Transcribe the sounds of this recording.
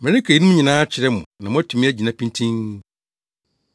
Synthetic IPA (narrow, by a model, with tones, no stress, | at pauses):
mɛ̃˨nɪ̃˦kʰe˨i˦nũ˦m̩ʊ̃˦ɲĩ˨nãː˦t͡ɕʰɪ˨ɾɛ˦mʊ̃˨nã˨mʊ̃˦æ˦tʰu˨mĩ˦æ˦d͡ʑi˨nã˨˦pʰĩ˦ntʰĩ˦n